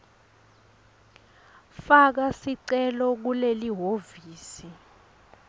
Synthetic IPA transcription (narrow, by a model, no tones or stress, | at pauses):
fak̬asiǀɛlɔk̬uleliɦoviːsi